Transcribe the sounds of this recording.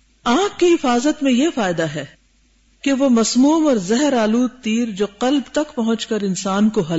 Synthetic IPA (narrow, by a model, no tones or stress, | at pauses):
ãːkːiɦɪfaːzət̪mẽjefaːɪd̪aɦɛ | keʋomɐsmuːmɔːɾzɛɦɾaːluːd̪̚t̪iːɾd͡ʒoːqɐlbt̪ɐkpɐɦʊ̃t͡ʃkɐɾɪnsaːnkoɦɐl